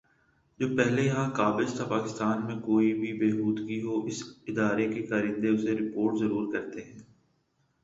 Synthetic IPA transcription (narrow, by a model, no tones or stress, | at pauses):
d͡ʒoːpɛɦlejɐɦãkaːbɪzt̪ʰapaːkɪst̪aːnmẽkoːibʱibeːɦuːd̪ɡiɦoːʔɪsɪd̪aːɾekekaːɾɪ̃nd̪eʊseɾɪpoːɾʈzɐɾuːɾkɐɾt̪eɦɛ̃ː